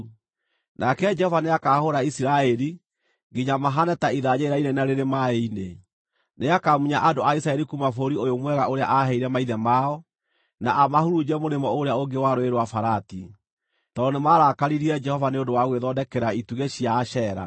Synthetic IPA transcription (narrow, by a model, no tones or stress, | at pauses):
nʔakɛd͡ʒɛhɔvaneakaːhoɾaisiɾaɛɾi | ɡiɲamaɦanɛtaiðaɲeiɾainenaɾeɾemaeine | neakamuɲaʔadoais̬aɛɾikumafoɾiojomwɛɣaʔoɾeaʔaɦɛiɾɛmaiðɛmaɔ | naʔamahuɾud͡ʑɛmoɾemɔoɾeaoŋɡewaɾoeɾwafaɾati | tɔnemaɾakaɾiɾiɛd͡ʒɛhɔvaneondowaɣweðɔdɛkɛɾaituɣeɕiaɕɛːɾa̰